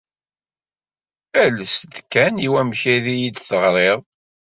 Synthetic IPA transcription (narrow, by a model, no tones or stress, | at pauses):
ælsəd̪kæniwæmçiðijid̪θəʁɾˤeʁˤ